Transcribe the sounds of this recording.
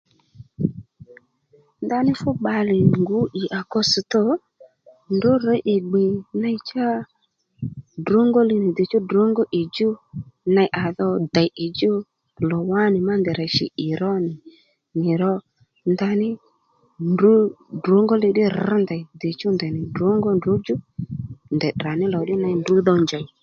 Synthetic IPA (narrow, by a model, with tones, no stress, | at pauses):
nd̪a˧nɪ˦fʊ˦ɓa˧lɪ˨ŋɡu˨˦ʔɪ˨ʔa˨kɔ˧si˨tɔ˦ | ndo˦ɾɛ˦ʔɪ˨ɡ͡be˨na˧˦t͡ʃa˦ | do˨˦ŋɡɔ˦lɪ˧nɪ˨de˨t͡ʃɔ˦do˨˦ŋɡɔ˦ʔi˨d͡ʒo˦na˧jʔa˨ðɔ˧da˨ʔɪ˨d͡ʒo˦ | lɔ˨wa˦nɪ˨ma˦nd̪ɛ˨ɾa˨ʃɪ̰˨ʔɪ˨ɾɔ˦nɪ˨ | nɪ˨ɾɔ˧ | nd̪a˧nɪ˦ | du˦do˨˦ŋɡɔ˦lɪ˧dɪ˦rnda˨jde˨t͡ʃɔ˦nd̪a˨nɪ˨do˨˦ŋɡɔ˦ndʊ˨˦d͡ʒʊ˦nd̪ɛ˨da˨nɪ˦lɔ˨dɪ˦na˧˦ndu˨˦ðɔ˧nd͡ʒa˨